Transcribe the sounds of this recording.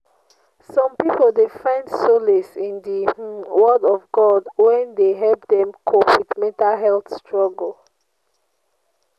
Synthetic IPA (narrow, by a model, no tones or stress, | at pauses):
sɔ̃mpipolˠdefãɪ̃ndsolisĩndiwɜdɔvɡɔdwɛ̃ndeɦɛlp̚dɛ̃mkʰopitmɛ̃ntalɦɛlθstɹɔɡəl